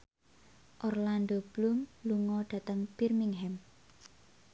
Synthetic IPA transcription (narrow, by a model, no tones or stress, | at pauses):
ʔɔrland̪ob̥lumluŋɔɖ̥a̤t̪əŋpirmiŋɦɛm